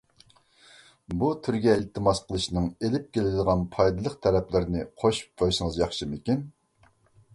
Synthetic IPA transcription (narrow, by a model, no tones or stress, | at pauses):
but̪ʰyɾɡʲɛɪlt̪ʰɨmɑsqʰəlˠɨʃnɨŋelɪp̚kʲʰelɪd̪ɪd̪əʁɑnpʰɑjd̪ɨlˠəqt̪ʰɛɾɛplɪɾɪnɨqʰoʃu̥p̚qʰojʃəŋəzjɑχʃɨmɪkʲin